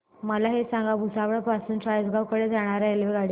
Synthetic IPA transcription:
məlaɦesãŋɡabʱusaʋəɭpasuːnʈajd͡zɡawkəɽed͡zaɽ̃aɾelʋeɡaɽi

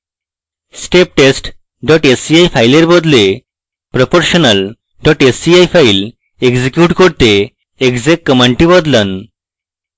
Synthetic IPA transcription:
sʈep̚ʈesʈ | ɖɔʈesiajfajleɾbɔd̪le | pɾopoɾɕənəl | ɖɔʈesiajfail | eɡd͡ʑekjuʈkɔɽt̪e | eɡd͡zekːəmaɳʈĩbəd̪lən

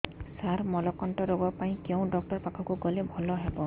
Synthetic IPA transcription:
saɾmɔlɔkɔnʈɔɾoɡɔpaĩkew̃ɖɔk̚ʈɔɹpakʰɔkuɡɔlebʱɔlɔɦebɔ

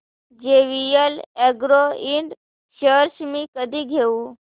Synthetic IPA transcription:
d͡ʒeʋijəleɡɾoiɳɖ | ʃəɾʃmĩkəd̪ʱiɡʱeũ

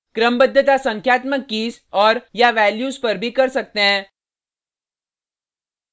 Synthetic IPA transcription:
kɾəmbəd̪ʱːət̪asɐ̃ŋkʰjaːt̪məkːiːsɔːɾjaʋɛːljuːzpɐɾbʱikɐɾsɐk̚t̪eɦɛ̃ː

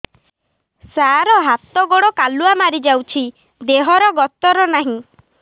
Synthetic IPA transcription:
saɾɔɦat̪ɔɡoɽɔkaluamaɾid͡ʒawt͡ʃʰi | d̪eɦɔɾɔɡɔt̪ɔɾɔnaɦĩ

